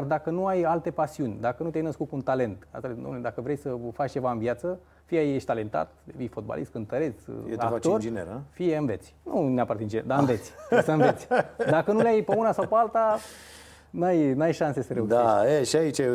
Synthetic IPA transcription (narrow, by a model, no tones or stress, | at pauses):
ard̪akənuajalt̪e̞pasiunʲd̪akənut̪ʲajnəskut̪kuunt̪ale̞nt̪a̰st̪leuo̰mlled̪akəvɾejsəfat͡ʃt͡ʃe̞vaɨnviat̪sə | fijajeʃt̪ale̞nt̪a̰t̪d̪evijfo̞d̪̚ba̰lʔist̪kɨnt̪əɾet̪seakat̪orineɾəfije̞ɨnve̞t̪sʲnuneapart̪int͡ʃd͡ʒḛd̪aɨnve̞t̪sʲsəɨnet̪sʲd̪akənuleajpeunasawpealt̪a | najnajʃanse̞səɾeud̪aeeʃiait͡ʃe